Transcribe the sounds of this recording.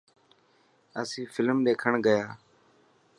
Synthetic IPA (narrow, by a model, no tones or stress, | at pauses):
əsĩːfʰɪlmɗeːkʰəɳɡəjaː